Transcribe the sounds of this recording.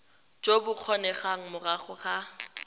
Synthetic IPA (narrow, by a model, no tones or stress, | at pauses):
d͡ʒobʊq͡χʰɔnɛχaŋ̩mʊraχʊχa